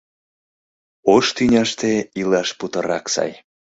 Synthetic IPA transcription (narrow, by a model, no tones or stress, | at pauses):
oʃt̪ynʲɑʃt̪eilɑʃput̪əɾɑksɑ̰j